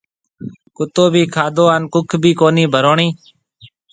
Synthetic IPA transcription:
kʊt̪oːbʱiːkʰaːd̪ʱoːaːnkʊkʰbʱiːkoːniːbʱəɾoːɳiː

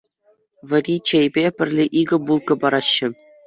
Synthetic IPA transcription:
ʋʲɘ̆ɾʲit͡ɕejbʲepʲɘ̆rʲlʲeʔiɡɤ̆bulˠkɤ̆bɑɾɑɕːɘ̆

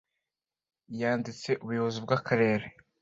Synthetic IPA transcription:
jaːndit͡se̞ʔuβujo̞βozibɡakʰaɾe̞ːɾe

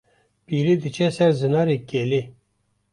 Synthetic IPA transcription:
piːɾid̪ɨt͡ʃʰɛsɛɾzɨnɑːɾekele

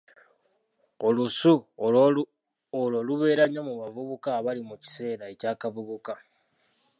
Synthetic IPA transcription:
olusu | oloːluβe̞ːɾaɲːamuβavuβukaːβalimuci̥se̞ːɾae̞caːkavuβuka

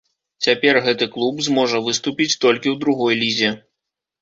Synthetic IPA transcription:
t͡sʲapʲɛrɣɛt̪ɨklˠubzmɔʐɐvɨst̪upʲit͡sʲt̪ɔlʲkʲiwd̪ɾuɣɔjlʲizʲɛ

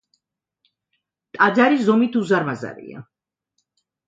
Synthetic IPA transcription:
t̪ʼad̪zaɾiszɔmit̪ʰuzaɾmaza̰ɾḭa̰

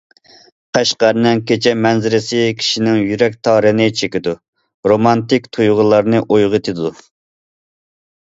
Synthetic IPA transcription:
qʰæʃqɑɾnɪŋkʲet͡ʃʰɛmɛnzɪɾɪsɪkʲʰi̥ʃinɪŋjyɾɛk̚ʲt̪ʰɑːɾɨnɨt͡ʃʰekʲid̪u | ɾomɑnt̪ɪkʲt̪ʰujʁəlˠɑɾnɨʔojʁət̪ʰɨd̪u

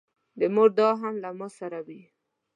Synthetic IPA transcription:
d̪əmuɡd̪ɑɦamlamosaɾawi

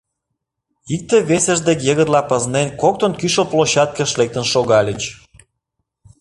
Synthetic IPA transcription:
ik̚t̪eβesə̆ʒd̪ekjəɣəɾlɑpə̆znenkok̚t̪onkyʃoploɕɑt̪̚kə̆ʃlek̚t̪ə̆nʃoɣɑlʲət͡ɕ

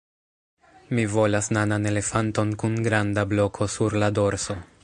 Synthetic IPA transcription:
mivo̞lasnanane̞le̞fanto̞nkunɡɾandablo̞kʰo̞suɾlado̞ɾso̞

